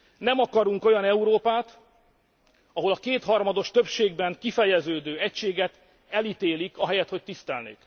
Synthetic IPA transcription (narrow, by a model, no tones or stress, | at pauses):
nɛmɒkɒɾuŋko̞jɒnɛuɾoːpaːt̪ | ɒɦo̞lɒkeːt̪hɒrmɒd̪o̞ʃt̪ø̞pʃeːɡbɛŋkifɛjɛzøːd̪øːɛcʃeːɡɛt̪ | ɛlit̪eːlikɒɦɛjɛt̪ho̞c̚t̪ist̪ɛlnḛːk